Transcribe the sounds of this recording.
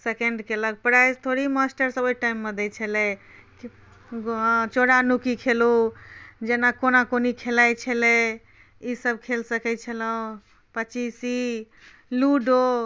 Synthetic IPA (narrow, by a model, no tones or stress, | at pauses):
sekeɳɖkeləɡ̚pɾazt̪ʰoɽimasʈəɾsəbojʈajimːed̪et͡ʃʰəlɛ | t͡ʃoɽanukikʰelu | d͡ʒenakonakonikʰelajt͡ʃʰəlɛ | isəbkʰelsəkɛt͡ʃʰələũ | pət͡ʃisi | luɖo